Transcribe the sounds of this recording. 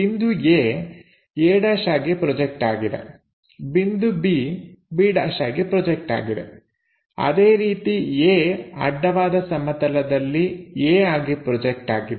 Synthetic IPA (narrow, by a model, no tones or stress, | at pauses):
ind̪ueː | eːɽaːʃaːɡipɾɔd͡ʒek̚ʈaːɡid̪ḛ | bind̪ubibiːɖɐʂaːɡipɾɔd͡ʒek̚ʈa̰ːɡid̪ḛ | ɐ̰d̪eːɾiːt̪ieːɐ̰ɖːɐʋaːd̪ɐsɐmɐt̪ɐlɐd̪ɐlːieːaːɡipɾɔd͡ʒek̚ʈaːɡid̪e